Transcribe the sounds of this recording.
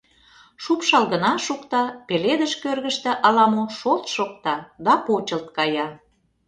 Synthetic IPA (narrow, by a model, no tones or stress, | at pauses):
ʃupʃɑlɣənɑʃukt̪ɑpeled̪əʃkørɣə̆ʃt̪ĕʔɑlɑmoʃolt̪ʃok̚t̪ɑd̪ɑpot͡ɕə̆lt̪̚kɑjɑ